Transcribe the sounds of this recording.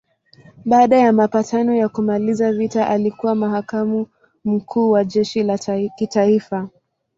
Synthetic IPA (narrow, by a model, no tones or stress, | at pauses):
ɓaːɗajamapatanɔjakumalizavitaʔalikuwamaɦakamu | m̩kʰuːwaʄɛʃilakitaifa